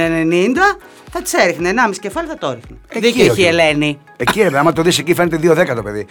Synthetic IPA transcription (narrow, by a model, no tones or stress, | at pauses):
enenind̪ɐ | θɐt̪i̥seɾixneːnɐmisi̥ce̞fɐliθɐt̪oɾixneeðiiieleni | eciɾepeɐmɐt̪oðisecifɾnet̪eðioðekɐt̪opeði